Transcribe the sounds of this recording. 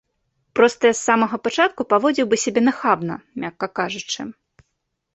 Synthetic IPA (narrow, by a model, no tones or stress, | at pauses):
pɾɔst̪ɐjasːamɐɣɐpat͡ʂat̪̚kupavɔd͡zʲiwbɨsʲabʲɛnɐxabnɐ̰mʲakːɐkaʐut͡ʂɨ̰